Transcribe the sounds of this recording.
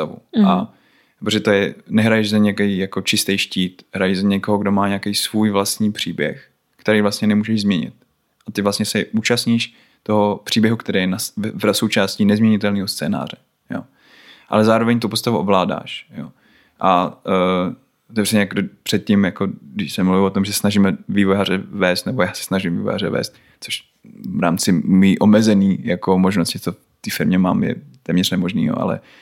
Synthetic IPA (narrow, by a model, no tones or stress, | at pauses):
st̪avṵa | ppɾoʒɛt̪ojɛnɛɦɾajɛʒzaɲɛkɛjjako̞t͡ʃɪst̪ɛjʃciːt̪hɾajɛʒzaɲɛkoɦoɡdo̞maːɲakejsvuːjvlast̪ɲiːpr̝̥iːbjɛ̰x | kt̪ɛɾejvlast̪ɲɛnɛmuːʒɛʒzmɲɛɲɪ̰t̪̚ | ʔat̪ɪvlastɲɛsɛʔuːt͡ʃastɲiːʃ | t̪oɦopr̝̥iːbjɛɦukt̪ɛɾeːjɛnasvasowt͡ʃaːscinɛzmɲɛɲɪt̪ɛlniːɦost͡sɛːna̰ːrɛ | jo̰ː | ʔa̰lɛzaːɾovɛɲt̪upost̪avuʔovlaːda̰ːʃjo̰ː | ʔa | ot̪ɛvrɛɲɛjakdopr̝̥ɛt̪̚cimjakodɪʃsɛmluvɪlot̪omʒɛsnaʒiːmɛviːvojaːrɛvɛːst̪nɛbojaːsɛ̥snaʒimvḭːvoja̰ɾɛ̰vɛ̰ːst̪ | t͡soʃ | vɾa̰ːmt͡sɪmiːʔomɛzɛniːjakomoʒnoscɪt͡sof | t̪iːfɪɾmɲɛma̰ːmjɛ̰t̪ɛːmɲɛrnɛmo̞ʒnḭːɦo̰ʔa̰lɛ̰